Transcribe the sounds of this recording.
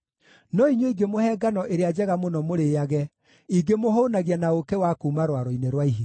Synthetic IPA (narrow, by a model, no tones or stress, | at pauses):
nɔiɲwoiɡemohɛːɡanɔʔeɾead͡ʑɛɣamonɔmoɾejaɣɛ | iɡemoɦonaɣianaokewakuːmaɾwaɾɔineɾwaiɦi